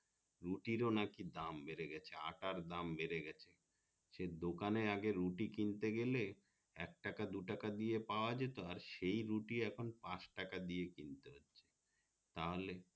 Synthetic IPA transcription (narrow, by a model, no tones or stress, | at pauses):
ɾuʈiɾonakid̪ambeɾeɡɛt͡ɕʰea̰ʈaɾd̪ambeɾeɡɛt͡ɕʰe | ʃed̪okaneɾaɡeɾːuʈikint̪eɡele | ɛk̚ʈakad̪uʈakad̪ijepaoad͡ʑet̪oaɾʃejɾuʈiɛkʰonpãʃʈakad̪ijekint̪eɦotːɕʰe̥ | t̪aɦole